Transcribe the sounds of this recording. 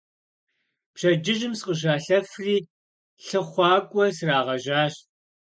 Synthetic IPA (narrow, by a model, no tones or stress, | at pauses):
pɕɐd͡ʒɪʒɪmsqəʑ̬aːɬɐfriː | ɬɨχʷɑːkʷʼɔsraːʁɐʒaːɕ